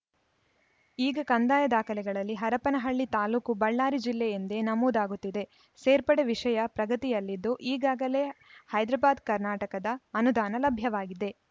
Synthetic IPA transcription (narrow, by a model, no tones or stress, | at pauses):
iːɡɐkɐnd̪aːjɐd̪aːkʰɐlɛɡɐɭɐlːiɦɐɾɐpɐnɐɦɐɭːit̪aːluːkubɐɭːaːɾid͡ʒilːejend̪e̞nɐmuːd̪aːɡut̪ːid̪e̞ | seːɾpɐɽeʋiʂɐjɐpɾɐɡɐt̪ijɐlːid̪ːuʔiːɡaːɡɐle̞ːhɐjd̪ɾɐbaːd̪kɐɾnaːʈɐkɐd̪ɐːnud̪aːnɐlɐbʱjɐʋaːɡid̪e̞